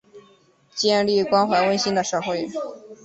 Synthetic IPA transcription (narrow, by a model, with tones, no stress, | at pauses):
t͡ɕjɛ˥˧nli˥˩kwɑ˥nxwa˧˥ɪwə˥nɕi˥ŋd̪ə˨ʂɤ˥˧˩xwe˥˩ɪ